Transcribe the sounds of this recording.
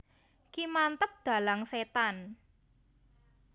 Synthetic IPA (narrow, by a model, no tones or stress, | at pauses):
kimant̪əp̚d̪̥a̤laŋset̪an